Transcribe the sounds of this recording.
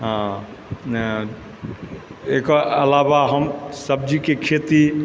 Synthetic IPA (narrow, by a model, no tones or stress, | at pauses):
ɦã | ekɔəlabaɦəmsəb̚d͡ʒikekʰet̪i